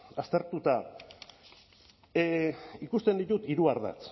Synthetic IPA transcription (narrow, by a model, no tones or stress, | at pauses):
ast̪e̞ɾt̪ut̪a | ikust̪e̞nd̪it̪ut̪iɾuaɾða̰t͡s